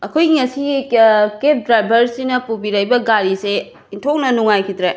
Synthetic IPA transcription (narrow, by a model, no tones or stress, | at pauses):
ɐkʰojɡiŋɐsiɡikep̚dɾajbʱɐɾsinɐpubiɾajbɐɡaɾise | intʰownɐnuŋajkʰit̪ɾe